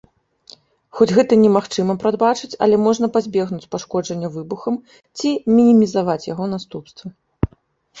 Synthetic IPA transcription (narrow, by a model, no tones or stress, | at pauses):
xɔd͡zʲɣɛt̪ɐnʲɛmaxt͡ʂɨmɐpɾad̪̚bat͡ʂɨt͡sʲɐ̰lʲɛmɔʐnɐpazʲbʲɛɣnut͡sʲpaʂkɔd͡ʐɐnʲːɐvɨbuxɐm | t͡sʲimʲinʲimʲizavat͡sʲjaɣɔn̪ast̪upst̪vɐ